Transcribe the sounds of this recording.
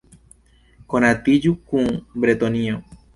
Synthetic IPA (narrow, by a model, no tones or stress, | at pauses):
konãt̪id͡ʒukũbɾet̪onĩo